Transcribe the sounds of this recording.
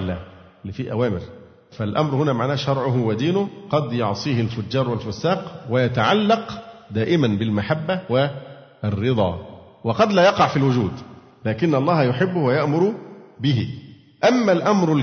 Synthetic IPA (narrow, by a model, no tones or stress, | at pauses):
lːæːʔɪlːifiːʔæ̰wæːmɪɾ | fælʔɑ̰mɾhʊnæːmaʕnæːʃɑɾˤʕʊɦwæd̪iːnʊqɑd̪jɑʕsˤiːhɪlfʊd͡ʒːɑːɾˤwɪlfʊsːaːqwɪjat̪aʕalːɑqd̪æːʔɪmænbɪlmaħabːæwɪ | rːɨd̪ˤɑ̰ː | wɑqɑd̪læːjɑqɑʕfilwʊd͡ʒuːd̪ | læːkɪnːʔɑlˤːɑːhjʊħɪbːʊhwæjaʔmʊɾˤubɪɦɪ | ʔæmːælʔamɾʊ